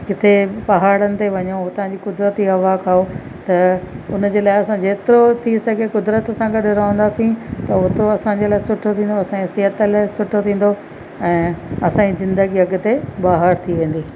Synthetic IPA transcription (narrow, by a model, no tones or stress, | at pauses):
kɪt̪ʰepɐɦaːɽənɪ̆t̪eʋɐɲout̪ɐʋ̤ãɲd͡ʑiːkʊd̪ɾət̪iɦɐʋaːkʰaːo | t̪ɐʊnd͡ʑeːlaːɪɐsãd͡ʑeːt̪ɪɾot̪ʰisɐɡʱekʊd̪ɾət̪sãɡɐɗɾɐʋə̃nd̪aːsĩt̪ɐʊt̪oɐsãɲd͡ʑeːlaːɪsʊʈʰot̪ʰĩːnd̪oɐsãsɪɦət̪əlaːɪsʊʈʰot̪ʰĩːn̆d̪o | ɛ̃ːɐsãːizɪ̃nd̪əɡiɐɡʊ̆t̪ebaːɦəɾt̪ʰiʋẽːn̆d̪iː